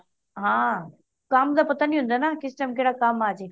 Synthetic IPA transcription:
ɦãː | kaːmd̪apɐt̪anĩɦʊ̃nd̪anakɪsʈaːmkeɽakaːmːãːt͡ɕe

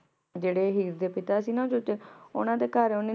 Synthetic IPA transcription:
d͡ʒeːɽeːɦiːɾd̪eːpɪt̪aːsiːnãd͡ʒot̪eʊ̰nãːd̪eːkaɾeʊnĩː

